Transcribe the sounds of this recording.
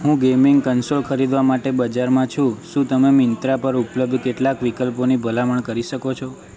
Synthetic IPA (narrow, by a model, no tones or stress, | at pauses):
ɦũɡemɪŋɡkənsolkʰəɾid̪ʋamaʈebəd͡ʒaɾmãt͡ʃʰũʃũt̪əmemɪnt̪ɾapəɾupləb̚d̪ʱkeʈlakʋikəlponibʱəlaməɳkəɾiʃəkot͡ʃʰo